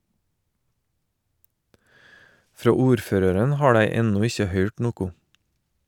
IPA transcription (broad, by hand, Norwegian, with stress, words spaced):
ˈfɾoː ˈuːɾˌføːɾəɾən ˈhɑː ˈdæɪ ˈɛnʊ ˈɪçə ˈhœʏʈ ˈnuːkʊ